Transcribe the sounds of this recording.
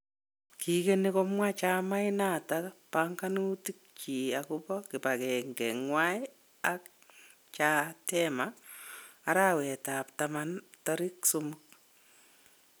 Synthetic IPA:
kʰikenekɔmwat͡ʃamaɪnatapaŋkanutik̚t͡ʃiakupɔkɪpakɛŋɡɛŋwaj | ak̚ | t͡ʃatɛmaː | ɾawɛtap̚tamantɔɾɪksumʊk̚

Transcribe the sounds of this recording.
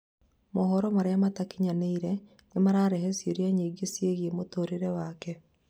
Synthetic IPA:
mɔɦɔɾɔmaɾeamatakiɲaneiɾɛ | nemaɾaɾɛɦesjeɾjaɲiːɡesjeɣiemotoːɾeɾɛwaːkɛ

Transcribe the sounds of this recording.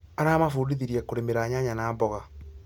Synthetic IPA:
aɾaːmafudiðiɾiɛkoɾemeɾaɲaɲanaːmbɔɣa

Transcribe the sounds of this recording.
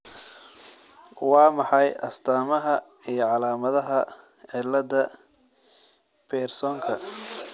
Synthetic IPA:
wɑːmɑħɑjʔɐ̰st̪ʰaːmɐɦɐ | ijɞʕɑlaːmɐðɐɦɐ | ʕɪlːɐdɐ | b̥ɛːrsɔːŋkʰɐ

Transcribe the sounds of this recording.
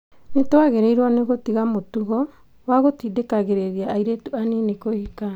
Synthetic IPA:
netoaɣeɾeiɾwaneɣotiɣamotuɣɔ | waɣotidekaɣeɾeɾiaːiɾetuanenekohika

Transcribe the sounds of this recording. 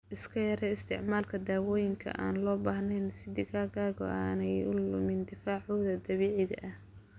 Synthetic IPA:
ʔɪskʰɐjɐɾɛɪst̪ʰɪ̰ʕmaːlkʰɐd̪aːwɔːjɪŋkʰɐ̰ʔa̰ːnlɔːbaːhnɛnsɪd̪ɪkaːɣaːɣɔ̰ʔaːnɛjʊlʊmɪnd̪ɪfaːʕuːðɐd̪ɐβiːʕɪðɐ̰ʔɐh

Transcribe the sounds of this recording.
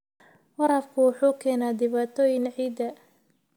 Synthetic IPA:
wɐɾɐfkʰʊwʊħuːkʰɛːnaːd̪ɪβaːt̪ʰɔːjɪŋʕiːd̪ɐ

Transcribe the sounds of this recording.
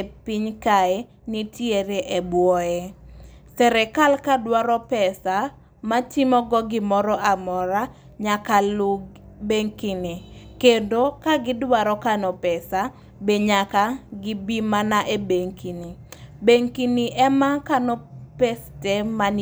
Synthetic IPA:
piɲkaɛ | nitjeɾeʔebwɔɛsɛɾɛkalkadwaɾɔpɛsa | matɪmɔɡɔɡɪmɔɾɔʔamɔɾa | ɲakaluɡbeŋkinikendokaɡɪdwaɾɔkanɔpɛsa | beɲakaɡɪbimanaʔebeŋkinibeŋkiniʔɛmakanɔpesteman

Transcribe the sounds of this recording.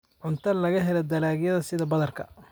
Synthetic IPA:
ʕʊnt̪ʰɐlɐɣɐɦɛlɐd̪ɐlaːɡjɐðɐsɪðɐbɐðɐrkʰɐ

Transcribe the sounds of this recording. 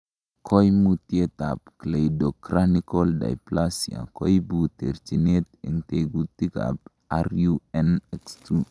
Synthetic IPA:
kʰojmut̪jet̪apklejdokɾanikolda̰jplasija̰kojbut̪eɾt͡ʃinet̪ɪŋt̪eɡut̪ːika̰p | aɾjuɛnɛkst̪u

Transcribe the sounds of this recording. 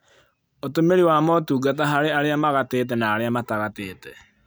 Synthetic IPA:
otomeɾiwaːmɔtuːɡat̬aɦaɾeaɾeamaɣateːt̬ɛnaːɾeamataɣateːtɛ

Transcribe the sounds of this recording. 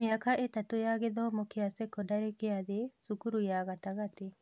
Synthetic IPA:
mɪakaʔetatojaɣeðɔmɔkeasekɔdaɾekeaðesukuɾujaɣataɣate

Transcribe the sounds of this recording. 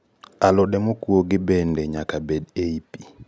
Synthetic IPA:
alɔdɛmokwoɡɪbɛndeɲakabedeipi

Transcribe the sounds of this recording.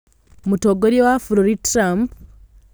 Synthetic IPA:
mutoɡoɾjewafuɾoɾitɾamp

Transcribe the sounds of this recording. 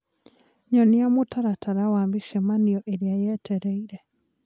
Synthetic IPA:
ɲɔniamotaɾataɾawambiʃɛmaniɔʔeɾeajɛtʰɛɾɛiɾɛ

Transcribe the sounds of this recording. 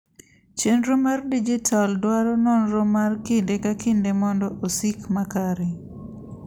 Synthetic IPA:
t͡ʃenɾomardid͡ʒitʰaldwaɾɔnɔnɾomarkɪndekakʰɪndemɔndɔʔosikmakaɾe

